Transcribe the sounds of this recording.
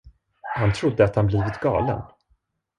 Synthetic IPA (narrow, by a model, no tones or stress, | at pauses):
hant̪ʰɾʊd̪ːəat̪hanbliːvɪt̪ɡɑ̰ːlə̰n